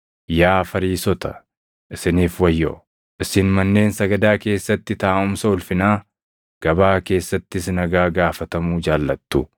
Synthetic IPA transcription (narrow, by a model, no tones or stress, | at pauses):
jaːfɐɾiːsɔt̪ɐ̥̰ | ʔɪsɪniːfwɐjːo̰ː | ʔɪsɪnmɐnːe̞ːnsɐɡɐd̪aːke̞ːsːɐt̪ːɪt̪aːʊmsɐʊlfɪnaː | ɡ̥ɐbaːke̞ːsːɐt̪ːɪsnɐɡaːɡaːfɐt̪ɐmuːd͡ʒaːlːɐt̪ːʊ